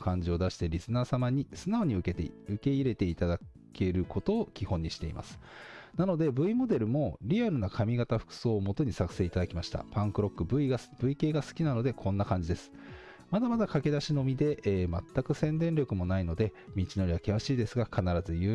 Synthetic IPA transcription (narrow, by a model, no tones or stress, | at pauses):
kãɲ̟d͡ʑio̞d̪aɕi̥t̪e̞ɾʲisɨnaːsamaɲ̟isɨnao̞ɲ̟iɯ̟ket̪ɯ̟ke̞iɾe̞t̪e̞it̪aake̞ɾɯ̟kʰo̞t̪o̞ːkʲihõ̞ɲ̟ːiɕi̥t̪e̞̰ḭma̰sɨ̥nano̞d̪e̞bɯ̟imo̞d̪e̞ɾɯ̟mo̞ɾʲiaɾɯ̟nakʰamʲiɡat̪aɸɯ̟̥kɯ̟̥so̞ːmo̞t̪o̞ɲ̟isakɯ̟̥se̞ːit̪ad̪akʲimaɕi̥t̪a̰pãŋkɯɾo̞kːɯ̟bɯ̟iɡab̥ɯ̟ike̞ːɡasɨ̥kʲinano̞d̪e̞kʰõ̞nːakãɲ̟d͡ʑid̪e̞sɨ̥ | mad̪amad̪akake̞d̪aɕino̞mʲid̪e̞ʔːma̰t̪ːakɯ̟sẽ̞nd̪ẽ̞nɾʲo̞kɯ̟mo̞naino̞d̪e̞mʲit͡ɕino̞ɾʲiβakiβaɕiːd̪e̞sɨɡakʰanaɾazɨjɯː